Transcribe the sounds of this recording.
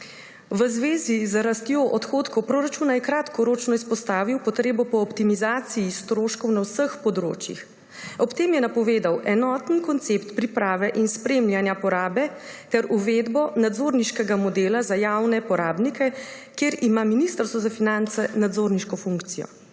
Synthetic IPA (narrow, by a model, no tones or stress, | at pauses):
ʋəzʋeːzizɾast̪joʔɔt̪xoːt̪kɔwpɾoːɾat͡ʃuːnajɛkɾaːt̪kɔɾoːt͡ʃnɔispɔst̪aːʋiwpɔt̪ɾeːbɔpɔːpt̪imizaːt̪sijist̪ɾoːʃkɔwnawsəxpɔd̪ɾo̰ːt͡ʃjḭx | ɔpt̪eːmjɛnapɔʋeːd̪awʔɛnɔːt̪nkɔnt̪sept̪pɾipɾaːʋɛʔinspɾeːmljanjapɔɾaːbɛt̪ɛɾuʋed̪bɔnad̪zoːɾniʃkɛɡamɔd̪eːlazajawnɛpɔɾaːbnikʰɛkeːɾimaminist̪əɾst̪ʋɔzafinant̪sɛnad̪zoːɾniʃkɔfuŋkt̪sijɔ̰